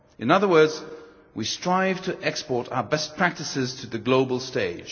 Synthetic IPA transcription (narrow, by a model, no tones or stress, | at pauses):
ʔɨ̃nʌðə˞wɜ˞dz | wistɹ̥aɪv̥tʰɨʔɛkspɔɹɾa̰ʊə˞bɛst̚pʰɹ̥æk̚tɨsɪz̥tʰɨðɨɡloʊbəl̩ˠsteɪd̥ʒ̥